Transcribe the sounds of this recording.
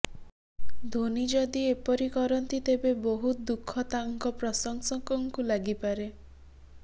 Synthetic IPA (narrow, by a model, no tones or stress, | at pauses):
d̪ʱonid͡ʒɔd̪iepɔɾikɔɾɔnt̪it̪ebeboɦutd̪ukʰːɔt̪aŋkɔpɾɔsɔŋsɔŋkɔŋkulaɡipaɾe